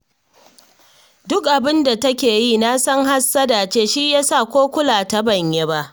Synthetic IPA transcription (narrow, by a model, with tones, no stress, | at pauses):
dʊ˦kʔa˨bɪ˦nda˨tɐ˦kʲeː˨ji˦na˦sɐ˦ŋha˦sːa˦da˨t͡ʃeː˦ʃi˦jaː˦sa˦˨kʷoː˦kʷʊ˦laː˨ta˦bɐ˨ɲje˦ba˦ʔ